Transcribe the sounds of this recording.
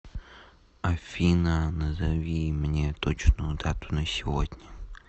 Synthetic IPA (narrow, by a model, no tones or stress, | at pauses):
ɐfʲinɐnɐzɐʋʲimenʲɛt̪ɔt͡ʃnʊd̪ɑt̪ʊ̥nɐsʲɔɦɔd̪ʲnʲɐ